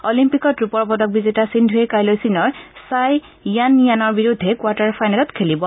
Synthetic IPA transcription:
ɔlimpikɔtɹupɔɹbɔdɔk̚bizitasindʱuekajlojsinɔɹsaj | ijanːijanɔɹbiɹudʱːɛkwataɹpʰajnalɔtkʰelibɔ

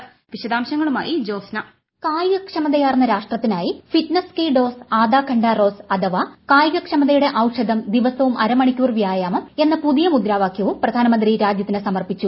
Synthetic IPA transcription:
ʋiɕɐd̪aːmɕɐŋːɐɭuma̰ːjid͡ʑo̞ːsnɐ | kaːjɡɐkʂɐmɐd̪ɐjaːrnːɐɾaːʂʈrɐt̪ːinaːjifiʈnɐskiːɖo̞ːsaːd̪aːkʰɐɳɖaːro̞ːsɐd̪ɐʋakaːjɡɐkʂɐmɐd̪ɐjuɽe̞ʔɐwʂɐd̪ʱɐmd̪iʋɐsɐʋumʔɐɾɐmɐɳikʲːuːrʋjaːjaːmɐme̞nːɐpuðijɐmud̪ɾaːʋaːkʰjɐʋumprɐd̪ʱaːnɐmɐnd̪ɾiɾaːd͡ʑjɐt̪ːinesɐmɐrpit͡ɕːu

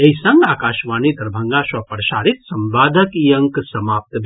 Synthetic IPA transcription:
eisɐ̃ŋɡaːkaːʃʋaːnid̪ɐɾbʱɐ̃ŋɡaːsʋɐpəɾɐʃaːɾit̪sɐmʋaːd̪ʱɐkijɐ̃ŋksɐmaːp̚t̪bʱ

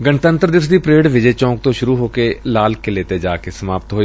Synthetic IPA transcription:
ɡənt̪ə̃nt̪ɾd̪ɪʋəs̬d̪iːpɾeːɽʋɪd͡ʒɛːt͡ʃɔ̃ːk̚t̪õʃʊɾuɦoːkelaːlkeleːt̪ed͡ʒaːkesəmaːpt̪ɦoː

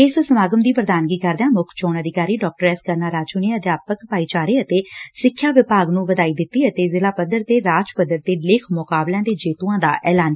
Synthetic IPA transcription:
ɪssəmaːɡəmd̪iːpɾəd̪aːnɡiːkəɾd̪ãːmʊkʰt͡ʃoːnəd̪ɪkaːɾiːɖɔːk̚ʈəɾɛːskəɾnaːɾaːt͡ʃuːneːəd̪jaːpəkpaːiːt͡ʃaːɾeːət̪eːsɪkʰːjaːʋɪpaːɡnũːʋəd̪aːiːd̪ɪt̪ːiːət̪eːzɪlaːpəd̪əɾt̪eːɾaːd͡ʒpəd̪əɾt̪eːlɪkʰmʊkaːblãːd̪eːd͡ʒeːt̪uːãːd̪a̰ːʔɛːlaːn

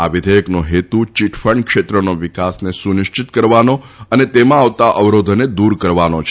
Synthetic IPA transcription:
aʋɪd̪ʱəjəknoɦet̪ut͡ʃiʈʰfəɳɖkʃet̪ɾənoʋɪkasnesunɪʃt͡ʃɪt̪kəɾʋano | ənet̪emãaʋt̪aʔəʋɾod̪ʱned̪uɾkəɾʋanot͡ʃʰ

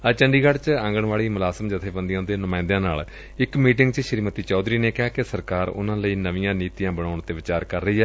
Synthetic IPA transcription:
ət͡ʃəɳɖiːɡəɽt͡ʃãːŋɡəɳʋaːɭiːmʊlaːsəmd͡ʒɪt̪ʰeːbənd̪ijãːd̪eːnʊmãːɪ̃nd̪jãːna̰ːl | ɪkmiːʈɪ̃ŋɡt͡ʃʃəɾiːmət̪iːt͡ʃɔːd̪ɾiːneːkɪaːkɪsəɾkaːɾʊ̰nãːləiːnəʋĩjãːniːt̪ijãːbəɽ̃aːʊɳt̪ːeːʋɪt͡ʃaːɾkəɾːəiːɦɛː

